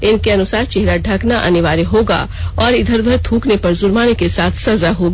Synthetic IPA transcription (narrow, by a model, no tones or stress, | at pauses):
ɪnkeɐnʊsaːɾt͡ʃeɦɾaɖʱɐknaʔɐ̰nɪʋaːɾeɦoːɡa̰ː | ɔːɾɪd̪ʱəɾd̪ʱəɾt̪ʰũːknepɐɾzʊɾmaːnekesaːt̪ʰsɐzaɦoːɡ